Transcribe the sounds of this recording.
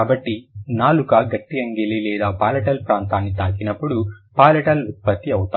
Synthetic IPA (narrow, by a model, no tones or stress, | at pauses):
aːbɐʈːinaːlukɐɡɐʈːiɐŋɡelilɛːd̪aːpaːlɐʈɐlpɾaːnt̪aːnːit̪aːkinɐpːuɽupaːlɐʈɐlut̪̚pɐt̪ːiɐwut̪a